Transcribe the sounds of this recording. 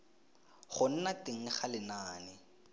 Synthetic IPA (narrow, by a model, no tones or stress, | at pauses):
χʊn̩natɪŋ̩χalɪnaːnɪ